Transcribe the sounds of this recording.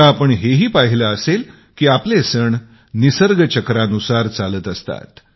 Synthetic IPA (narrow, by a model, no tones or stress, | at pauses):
aːpəɳɦeɦiːpaɦilaəsel | kiːaplesəɳ | nisəɾɡət͡ɕəkɾanusaɾt͡salət̪əst̪a̰t̪